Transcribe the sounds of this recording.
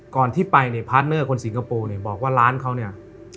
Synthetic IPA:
kɔː˨˩nt̪ʰiː˥˩pa˧jni˥˩pʰaː˦˥t̪̚nɯ˥˩ɐkʰo˧nsi˩˦ŋkʰa˧poː˧ni˥˩ɐbɔː˨˩k̚waː˥˩laː˦˥nkʰa˦˥wni˥˩ɐ

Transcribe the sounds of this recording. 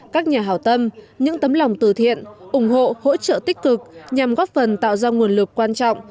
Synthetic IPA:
kaː˦˥k̚ɲaː˨˩ɦaː˧˩wt̪ə˧m | ɲɨ̰˧˥ŋt̪ə˨˦mlwŋ͡mt̪ɨ˧˩t̪ʰḭ˧˨ənʔʊ˨˧˩ŋ͡mɦo̰˧˨ho̰˧˥t͡ɕə̰ː˧˨t̪ï˦˥k̟kɨ˨˩k̚ɲa˨˩mɣɔ˦˥p̚fə˨˩nt̪a̰ː˧˨wzaː˧ŋu˨˩ənlɨ˨˩k̚kːwaː˧nt͡ɕɔ̰˧˨wŋ͡m

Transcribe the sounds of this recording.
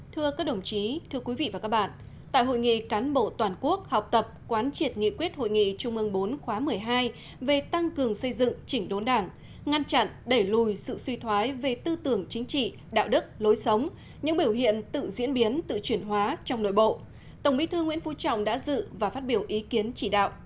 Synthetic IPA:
t̪ʰɨ˧əkaː˦˥k̚ɗə˨˩wŋ͡mt͡ɕi˨˦t̪ʰɨ˧əkwi˨˦vḭ˧˨vaː˨˩kaː˦˥k̚ɓa̰ː˧˨n | t̪a̰ː˧˨jɦo̰˧˨jŋḭ˧˨kaː˨˦nɓo̰˧˨t̪waː˨˩nku˦˥ək̚hɔ˨˩wk͡p̚t̪ə˨˩p̚kwaː˨˦nt͡ɕi˨˩ət̚ŋḭ˧˨kwi˦˥ət̚ho̰˧˨jŋḭ˧˨t͡ɕʊ˧ŋ͡mʔɨ˧əŋɓo˨˦nxwaː˨˦mɨ˨˩əjɦaː˧j | ve˨˩t̪a˧ŋkɨ˨˩əŋsə˧jzɨ̰˧˨ŋt͡ɕï˧˩ŋ̟ɗo˨˦nɗaː˧˩ŋ | ŋa˧nt͡ɕa̰˧˨nɗə˧˩jlu˨˩jsɨ̰˧˨swi˧t̪ʰwaː˨˦jve˨˩t̪ɨ˧t̪ɨ˨˩əŋt͡ɕï˨˦ŋ̟t͡ɕḭ˧˨ | ɗa̰ː˧˨wɗɨ˦˥k̚lo˨˦jsə˨˦wŋ͡m | ɲɨ̰˧˥ŋɓi˧˩əwɦḭ˧˨ənt̪ɨ̰˧˨zḭ˧˥ənɓi˨˦ənt̪ɨ̰˧˨t͡ɕwi˧˩ənɦwaː˨˦t͡ɕɔ˧wŋ͡mno̰˧˨jɓo̰˧˨ | t̪ə˨˩wŋ͡mɓi˧˥t̪ʰəŋːwi˧˥nfu˧˩t͡ɕɔ̰˧˨wŋ͡mɗa̰ː˧˥zɨ̰˧˨vaː˨˩faː˦˥t̚ɓi˧˩əwʔi˨˦ki˨˦ənt͡ɕi˧˩ɗa̰ː˧˨wʔ

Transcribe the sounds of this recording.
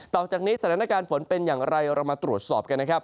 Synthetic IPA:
t̪ɔː˨˩k̚t͡ɕaː˨˩k̚niː˦˥sa˧t̪ʰaː˩˦na˧kaː˧nfo˩˦npe˧njaː˨˩ŋɾa˧jɾʔa˧maː˧t̪ɾu˨˩ət̪̚sɔː˨˩p̚ka˧nːa˥kʰa˦˥p̚

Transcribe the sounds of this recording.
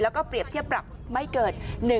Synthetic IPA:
lɔː˨˦kɔː˧˥pɾi˨˩əp̚t̪ʰi˦˥əp̚ɾa˨˩p̚ma˧˦jkəː˨˩t̪̚nɨ˨˩

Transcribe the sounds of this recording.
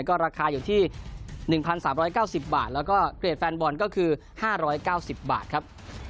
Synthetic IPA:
jkɔː˥˩ɾaː˧kʰaː˧juː˨˩t̪ʰiː˥˩nɯ˨˩ŋpʰa˧nsaː˩˦mɾɔː˦˥jkaː˥˩wsi˨˩p̚ba̰ː˨˩t̪̚lɛː˦˥wkɔː˥˩kli˨˩t̪̚fɛː˧nbɔː˧˩nkɔː˥˩kʰɯː˧ | haː˥˩ɾɔː˦˥jkaː˥˩wsi˨˩p̚ba̰ː˨˩t̪̚kʰa˦˥p̚

